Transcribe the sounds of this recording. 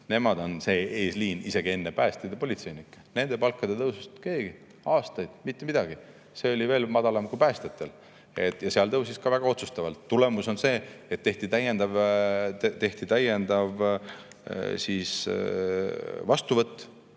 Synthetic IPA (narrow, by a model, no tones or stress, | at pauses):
ne̞mɑd̪o̞nse̞ːeːsliːnise̞ɡie̞nːepæːst̪ejd̪̥epo̞lʲit̪se̞jnikːˑne̞nd̪̥e̞pɑlkːɑd̪̥e̞t̪ɤwsust̪ke̞ːɡ̥i | ɑːst̪ɑjd̪̥mit̪ːemid̪ɑɡ̥i | se̞o̞lʲive̞ːlmɑd̪̥ɑlɑmkupæːst̪et̪ːˑe̞l | e̞t̪ːjɑseɑlt̪ɤwsiskɑvæɡ̥ɑo̞t̪su̥st̪ɑvɑlt̪ːule̞muso̞nse̞ːet̪ːe̞ht̪it̪æjend̪̥ɑv | t̪e̞ht̪it̪æjend̪̥ɑv | siːs | vɑst̪uvɤt̪ːˑ